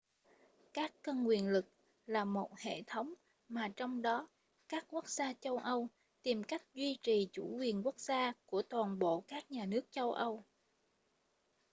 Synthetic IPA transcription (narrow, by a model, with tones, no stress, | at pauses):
kaː˦˥kːə˧nŋwi˨˩ənlɨ˨˩k̚ | laː˨˩mo˨˩t̚hḛ˧˨t̪ʰə˨˦wŋ͡m | maː˨˩t͡ɕɔ˧wŋ͡mɗɔ˨˦ | kaː˦˥k̚ku˦˥ək̚zaː˧t͡ɕə˧wʔə˧w | t̪i˨˩mka˦˥jk̟̚zwi˧t͡ɕi˨˩t͡ɕu˧˩kwi˨˩ənku˦˥ək̚z̥aː˧ku˧˩ət̪waː˨˩nɓo̰˧˨kaː˦˥k̚ɲaː˨˩nɨ˦˥ək̚t͡ɕə˧wʔə˧w